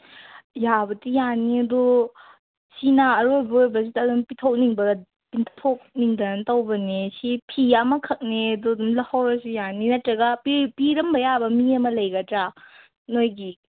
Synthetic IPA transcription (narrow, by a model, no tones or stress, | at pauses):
jabɐtijaniɐdo | sinaːɾojbɐojbɐs̬idɐːdumpitʰowk̚niŋbɐɡ | pitʰok̚niŋdɐnɐntɐwbɐnesipʰiamɐkʰɐk̚neɐdudumlɐhawɾɐsujaninɐtɾɐɡɐpipiɾɐmbɐjabɐmiɐmɐlɐjɡɐtɾa | nojɡi